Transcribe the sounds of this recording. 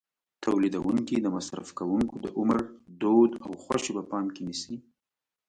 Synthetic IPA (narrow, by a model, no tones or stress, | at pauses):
t̪ʰawlid̪awuŋkid̪əmasɾa̰fkawuŋkod̪əʔʊməɾd̪od̪awxwaʃebapɑmkenisi